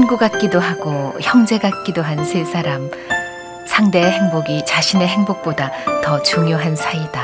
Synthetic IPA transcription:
nɡuɡat̚k͈idoɦaɡoçjʌŋd͡ʑe̞ɡak͈idoɦansʰes͈ʰaɾam | sʰaŋde̞ːɦe̞ŋboɡit͡ɕaɕʰine̞ɦeŋbok̚p͈odatʌt͡ɕuŋjoɦansʰaida

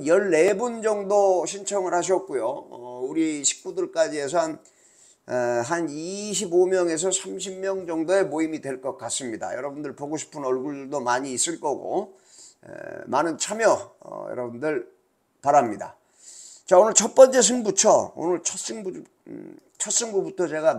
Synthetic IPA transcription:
jʌɭːe̞bund͡ʑʌŋdoɕʰint͡ɕʰʌŋɯɭhaɕʰiʌt̚k͈ujoʌuɾiɕʰi̥p̚k͈udɯɭk͈ad͡ʑies̬ʰʌn | ɦaniɕʰibomjʌŋe̞s̬ʰʌsʰamɕʰimmjʌŋd͡ʑʌŋdoe̞moimidwe̞ɭk͈ʌk͈̚as͈ɯmɲida̰jʌ̰ɾʌbundɯɭpoɡoɕʰi̥pʰɯnʌɭɡuɭduɭdomaɲiːs͈ɯɭk͈ʌɡo̰ | manɯnt͡ɕʰamjʌʌ̰jʌ̰ɾʌbundɯɭ | paɾamɲida̰ | t͡ɕaonɯɭt͡ɕʰʌp͈ʌnt͡ɕ͈e̞s̬ʰɯŋbut͡ɕʰʌo̰nɯɭt͡ɕʰʌs͈ɯŋb | t͡ɕʰʌs͈ɯŋɡubutʰʌt͡ɕe̞ɡa

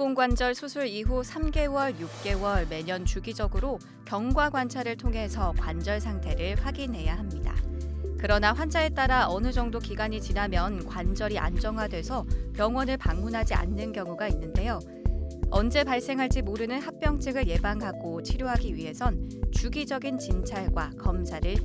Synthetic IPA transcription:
koŋɡwand͡ʑʌɭsʰusʰuɾiɦusʰamɡe̞wʌɭjuk̚k͈e̞wʌɭme̞ɲʌnt͡ɕuɡid͡ʑʌɡɯɾo | kjʌŋɡwaɡwant͡ɕʰaɾɯɭtʰoŋɦe̞sʰʌkwand͡ʑʌɭsʰaŋtʰe̞ɾɯɭɸwaɡinɦe̞jaɦamɲida̰kɯɾʌnaɸwand͡ʑae̞t͈aɾaʌnɯd͡ʑʌŋdokiɡaɲit͡ɕinamjʌnkwand͡ʑʌɾiʔa̰nd͡ʑʌŋɦwadwe̞sʰʌpjʌŋwʌnɯɭpaŋmunɦad͡ʑia̰nːɯnkjʌŋuɡainːɯnde̞jo | ʌnd͡ʑe̞paɭs͈e̞ŋɦaɭt͡ɕ͈imoɾɯnɯnhak̚p͈jʌŋt͡ɕʰeɡɯɭje̞baŋɦaɡot͡ɕʰiɾjoɦaɡiɥiɦe̞sʰʌnt͡ɕuɡid͡ʑʌɡint͡ɕint͡ɕʰaɭɡwakʌmsʰaɾɯɭ

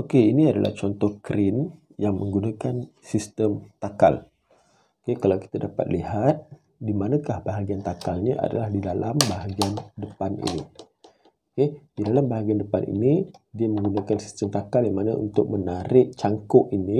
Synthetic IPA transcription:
okeiniadalʔa̰ht͡ʃɔnt̪ɔhkɾʔin | jaŋməŋɡunakan | sist̪əmt̪aka̰l | okekalawki̥t̪adapa̰t̪̚lihat̪̚ | dimanakahbaɦaɡiant̪akalɲaʔa̰da̰lahdidalambaɦaɡiandəpanḭni | oked̥idalambaɦaɡiandəpanʔḭnidiaməŋɡunakansi̥st̪əmt̪akaljaŋmanaṵnt̪ʊk̚mənaɾɪʔt͡ʃaŋkɔʔini

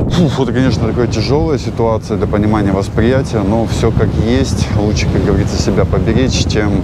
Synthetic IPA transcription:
puvot̪kɐnʲeʂnət̪ɐkojətʲɪʐo̞lˠəjəsʲɪt̪ʊat̪sɨəd̪lʲəpənʲɪmanʲɪjəvəspɾʲɪjætʲɪjəno̞fsʲokakjesʲtʲlˠut͡ɕʂə̥kak̚ɡəvɐɾʲit̪səsʲɪbʲapəbʲɪɾʲet͡ɕt͡ɕʲem

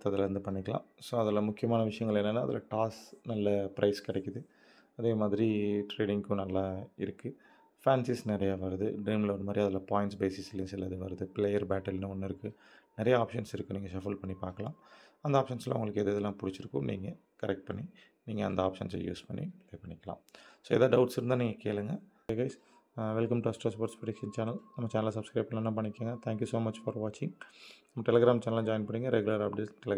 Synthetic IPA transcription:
t̪ɐðɪlɐɾɯnd̪ɯpɐɳːɪkːɐɭã̰ːsoːɐðɪlɐmʊkːɪjɐmaːnɐʋɪʂɐjɐŋɡɐɭɛnːɐnːaːɐðɪ̰lɐ̰ʈaːsnɐlːɐpɪɾʔɐɪskɪɽɛkːɯðɯ | ɐðeːmaːðɪɾiʈɾeːɖɪŋkɯ̃nɐlːãːɪɾɯkːɯ | faːnsɪsnɪɾɐjaʋɐɾɯðɯ̰ɖɾeːmlɐɔnːɐmaːd̪ɾiɐðɪlaːpaːjɪnʈsbeːsɪslɪnsɪlːɐðɯʋɐɾɯðɯpɪlɛjɐɾbaːʈːɐlnɯɔnːɪɾɯkːɯ | nɪɾɐjɐaːpʂɐnsɪɾɯkːɯ̃niːŋɡɐsɐfɐlpɐɳːipaːɾkɐlãːmɐnd̪ɐaːpʂɐnsla̰ːʊ̰ŋɡɐɭɯkːeðɯːðɛlːãːpʊɽɪt͡ʃːɪɾɯkːʊ̰̃mnḭːŋɡɐ | kɐɾɛk̚ʈ̚pɐɳːi | niːŋɡɐɐnd̪ɐaːpʂɐ̰nsl̰jṵːspɐɳːḭɐːpɐɳːɪkːɐla̰ːmsoːɛ̰ðaːɖɐʊʈsɪɾɯnd̪aːniːŋɡɐkeːlɐŋɡɐ | ɡɐɪs | ʋɛlkɐmʈuɐsʈɾɛsʋɐːɾʈspɾɐʈɪkʂɐnt͡ʃaːnɐlnɐmːɐt͡ʃaːnɐlsɐb̥skɾɐːpɐlanːãːpɐɳːɪkːaːŋɡɐt̪ʰæ̃ːŋkjusoːmɐt͡ʃfɔɾʋaːt͡ʃɪŋnɐmːɐʈɛlɛɡɾaːmt͡ʃaːnɐlãd͡ʒaːjɪnpɐɳːiːŋɡɐɾɛɡʊlɐɾɐpbɽiʈɛl

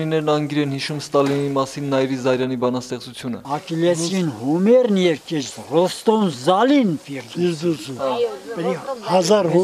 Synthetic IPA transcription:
linɛɾnɑŋɡiɾɛnhiʃumst̪ɑlinimɑsinːɑjɾizɑjɾjɑnibɑnɑst̪ɛχt͡sut͡sʰjunə̰ɑkilɛinhumɛrnjɛvkɛɾrɔst̪ɔnzɑlinfiɾd̪iɾu | pɾihɑzɑɾɦ

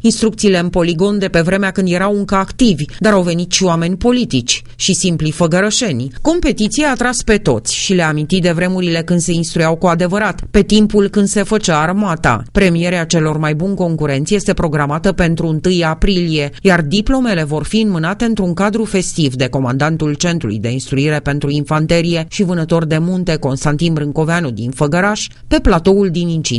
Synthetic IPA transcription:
inst̪ɾuk̚t̪siːle̞ɨnpo̞liɡo̞nd̪e̞pe̞vɾe̞meakɨnd̪je̞ɾawɨŋkəakt̪ivʲd̪aɾawve̞nit̪ʃiwame̞nʲpo̞lit̪it͡ʃʲ | ʃisimplifəɡəɾəʃe̞nʲko̞mpe̞t̪it̪sieat̪ɾaspe̞t̪o̞̰t̪sʲʃile̞amint̪it̪d̪e̞vɾe̞muɾile̞kɨnd̪se̞inst̪ɾujawkuad̪e̞vəɾat̪pe̞t̪impulkɨnd̪se̞fət͡ʃaːrmat̪a̰pɾe̞mije̞ɾeat͡ʃe̞lo̞rmajbunko̞ŋkuɾe̞nt̪sje̞st̪e̞pɾo̞ɡɾamat̪əpe̞nt̪ɾuɨnt̪ɨjapɾilie̞jard̪iplo̞me̞le̞vo̞rfiɨnmɨnat̪e̞ɨnt̪ɾuŋkad̪ɾufe̞st̪ivd̪e̞ko̞mand̪ant̪ult͡ʃe̞nt̪ɾulṵjd̪e̞inst̪ɾuiɾe̞pe̞nt̪ɾuinfant̪e̞ɾije̞ʃivɨnət̪o̞rd̪e̞munt̪e̞ko̞nst̪ant̪inbɾɨŋko̞veanud̪infəɡəɾaʃ | pe̞plat̪o̞uld̪inint͡ʃḭ

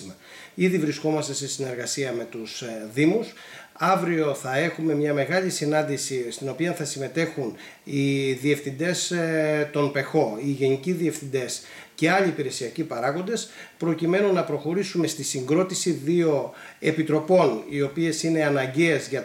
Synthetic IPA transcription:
mɐ | iðivɾisko̞mɐst̪e̞se̞sine̞ɾɣɐsiɐme̞t̪usðimus | ɐvɾio̞θɐe̞xume̞mɲɐme̞ɣɐʎisinɐnd̪isist̪ino̞piɐnθɐsime̞t̪e̞xun | iðie̞fθind̪e̞st̪o̞npe̞xo̞iʝe̞niciðie̞fθind̪e̞s | ce̞ɐʎiːpiɾe̞siɐcipɐɾɐɣo̞nd̪e̞spɾo̞cime̞nunɐpɾo̞xo̞ɾisume̞st̪isiŋɡɾo̞t̪isiðio̞ | e̞pit̪ɾo̞po̞nio̞pie̞sine̞ɐnɐɲɟezʝɐ

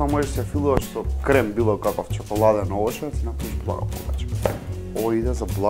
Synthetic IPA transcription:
amɔʒɛʃsɛjafilˠuvaʃsɔkɾɛmbilˠakakɔft͡ʃɔkɔlˠad̪ɛnɔɔt͡ʃɛd̪asinapɾaviʒblˠa̰ɡa̰pɔ̰vɛ̰t͡ʃɛm | ɔid̪ɛzablˠa

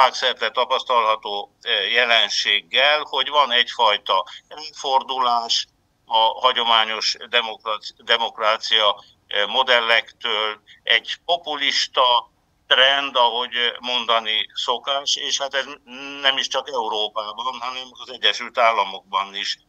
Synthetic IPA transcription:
aːksɛrt̪ɛt̪ɒpɒst̪ɒlɦɒt̪oːjɛlɛnʃeːɡːɛlho̞ɟvɒnɛcfɒjt̪ɒɛløːford̪ulaːʃ | ɒhɒɟo̞maːɲo̞ʃd̪ɛmokrd̪ɛmo̞kraːt̪sijɒ | mo̞d̪ɛlːɛkt̪øːlɛɟpo̞puliʃt̪ɒ | t̪rɛnd̪ɒɦo̞ɟmo̞nd̪ɒniso̞kaːʃeːʃhaːt̪ɛznɛmiʃt͡ʃɒkɛuɾoːpaːbɒnɦɒnɛmɒzɛɟːɛʃylt̪aːlːɒmo̞ɡ̚bɒniʃ

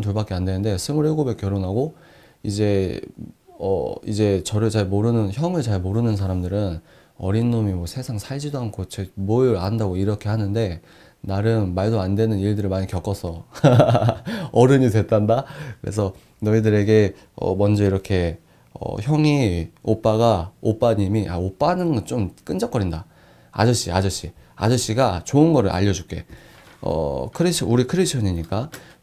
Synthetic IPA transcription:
ntuɭbak͈eandwe̞nɯnde̞sʰɯmɯɭeɡobe̞kjʌɾonɦaɡo | id͡ʑe̞ | ʌ̰ḭd͡ʑe̞t͡ɕʌɾɯɭt͡ɕaɭmoɾɯnɯnçjʌŋɯɭt͡ɕaɭmoɾɯnɯns̬ʰaɾamdɯɾɯn | ʌ̰ɾinːomimwʌsʰesʰaŋsʰaɭd͡ʑidoɦankʰot͡ɕemoɾandaɡoiɾʌkʰe̞hanɯnde̞ | naɾɯnmaɭdoandwe̞nɯniɭdɯɾɯɭmaɲikjʌk͈ʌsʰʌ | ʌɾɯɲitwe̞t͈andakɯɾe̞̰s̬ʰʌ | nʌidɯɾe̞ɡe̞ | ʌ̰mʌnd͡ʑʌiɾʌkʰe̞ | ʌ̰çjʌŋiop͈aɡaop͈aɲimiʔa̰op͈anɯnɡʌt͡ɕ͈omk͈ɯnd͡ʑʌk͈ʌɾinda | a̰d͡ʑʌɕ͈iad͡ʑʌɕ͈i | a̰d͡ʑʌɕ͈iɡat͡ɕoɯnɡʌɾɯɭʔa̰ʎːʌd͡ʑuk͈e̞ | ʌ̰kʰɯɾeɕʰʌuɾikʰɯɾeɕʰʌɲiɲik͈a

